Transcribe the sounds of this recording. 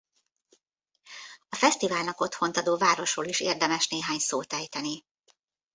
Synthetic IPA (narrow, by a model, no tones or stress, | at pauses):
ɒfɛst̪ivaːlnɒko̞t̪ho̞nt̪ɒd̪oːvaːɾo̞ʃroːliʃḛːrd̪ɛmɛʃneːɦaːɲsoːt̪ɛjt̪ɛni